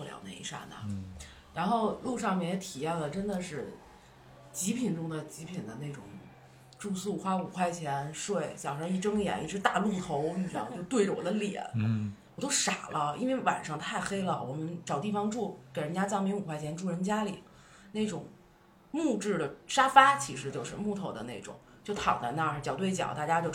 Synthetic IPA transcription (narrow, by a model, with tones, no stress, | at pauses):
ljɑ̰˨˩ʊnḛ˧ḭ˧˥ʂa̰˥˩na̰˨˩ | ɻa˧˥nxo˥˧ʊlu˥˧ʂɑ˥˧ŋmjɛ˥˩njɛ˧˩t̪ʰi˨˩jɛ˥˩nd̪ə˩ʈ͡ʂə˥nd̪ə˨ʂɻ̩˥˩ | t͡ɕi˧˥pʰi˨˩nʈ͡ʂʊ˥ŋd̪ə˨t͡ɕi˧˥pʰi˨˩nd̪ə˦ne˥˩ɪʈ͡ʂʊ̰˨˩ŋ | ʈ͡ʂu˥˧su˥˩xwa˥u˨˩kʰwa˥˩ɪt͡ɕʰjɛ˧˥nʂwe˥˩ɪɕjɑ˨˩ʊʂɑ˧˥i˥˩ʈ͡ʂɤ˥ŋjɛ̰˨˩˦ni˥˩ʂʰɻ̩˥t̪a˥˧lu˥˩t̪ʰo˧˥ʊy˥˩˥jo˥˧ʊt̪we˥˩ɪʈ͡ʂə˩wɔ̰˨˩d̪ə˦ljɛ̰˨˩˦nwɔ˨˩t̪o˥ʊʂa˨˩lʔə˦ḭ˥nwe˥˧ɪwa̰˨˩nʂɑ˥˧ŋt̪ʰa˥˩ɪxe˥ɪlə˧wɔ̰˨˩mə˦nʈ͡ʂɑ˨˩ʊt̪i˥˩fɑ˧ŋʈ͡ʂu˥˩ke˨˩ɪɻə˧˥nt͡ɕja˥t͡sɑ˥˩ŋmi˧˥ŋu˨˩kʰwa˥˩ɪɛ˧˥nʈ͡ʂu˥˩ɻə˧˥nt͡ɕja˥li˨˩˦ | ne˥˩ɪʈ͡ʂʊ˨˩˦ŋ | mu˥˧ʈ͡ʂɻ̩˥˩d̪ə˩ʂa˥fa˥t͡ɕʰi˧˥ʂɻ̩˧˥t͡ɕjo˥˧ʊʂɻ̩˥˧mu˥˩t̪ʰo˧˥ʊd̪ə̰˧˦ne˥˩ɪʈ͡ʂʊ̰˨˩˦ŋt͡ɕjo˥˩ʊt̪ʰɑ̰˨˩ŋd̪ə̰˦na˥˧ʂ̩˥˩t͡ɕjɑ˨˩ʊt̪we˥˩ɪt͡ɕjɑ̰˨˩˦ʊt̪a˥˩t͡ɕja˥t͡ɕjo˥˧ʊ